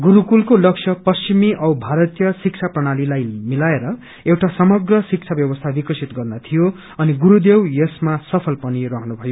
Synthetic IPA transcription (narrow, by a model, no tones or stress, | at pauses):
ɡuɾukulkolʌk̚sʰʌpʌst͡ʃimiʔʌwbʱaɾʌt̪jʌsik̚t͡sʰaprʌɽ̃alilajmilaeɾʌ | ewʈasʌmʌɡrʌsik̚t͡sʰabjʌbʌst̪ʰabikʌsit̪ɡʌrnʌt̪ʰijo | ʌniɡuɾud̪ewjesmasʌpʰʌlpʌnirʌɦʌnubʱʌjo